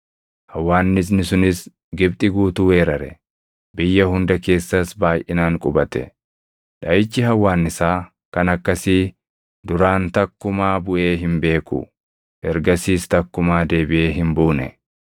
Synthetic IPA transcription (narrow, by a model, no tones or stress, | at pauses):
hɐwːaːnːɪs̬nɪsʊnɪs | ɡɪb̚t̪ʼɪɡuːt̪uːwe̞ːɾɐɾɛ̰ | bɪjːɐhʊnd̪ɐke̞ːsːɐsbaːjʔɪnaːŋkʼʊbɐt̪ɛ̰ | ᶑɐjɪt͡ʃːɪɦɐwːaːnːɪsaː | kɐnɐkːɐsiː | d̪ʊɾaːnt̪ɐkːʊmaːbʊʔeːɦɪmbe̞ːkʊ̰ | ʔɛɾɡɐsiːst̪ɐkːʊmaːd̪e̞ːbɪʔe̞ːɦɪmbuːnɛ̰